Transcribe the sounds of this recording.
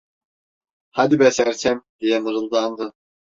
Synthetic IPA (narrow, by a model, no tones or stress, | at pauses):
had̪ibɛsæɾsʰæmd̪̥ijɛmɯɾɯlˠd̪and̪ɯ